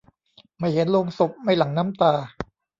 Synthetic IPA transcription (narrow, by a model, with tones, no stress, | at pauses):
ma˥˩jhe˨˩˦nloː˧ŋso˨˩p̚ma˥˩jla˩˦ŋnaː˦˥mt̪aː˧